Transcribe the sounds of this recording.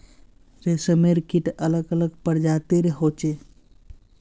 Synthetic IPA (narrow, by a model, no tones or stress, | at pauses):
ɾesəmeɾkiʈələɡələɡpəɾd͡ʒaːt̪eɾeɦoːt͡ʃe